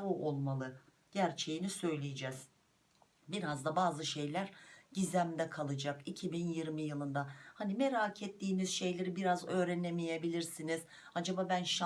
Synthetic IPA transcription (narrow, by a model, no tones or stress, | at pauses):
uʔolˠmalˠɯ | ɟ̥æɾt͡ʃʰe̞jinisø̞jlʲijed͡ʒɛz̥ | biɾazd̪abaːzɯʃe̞jlʲæɾɟizæmd̪ɛkʰalˠɯd͡ʒakicʰibinjiɾmijɯlˠɯnd̪ahanimeɾaːcʰet̪ʰːiːnizʃe̞jlʲe̞ɾibiɾazø̞ːɾænemijebilʲiɾsiniz̥ | ad͡ʒababænʃa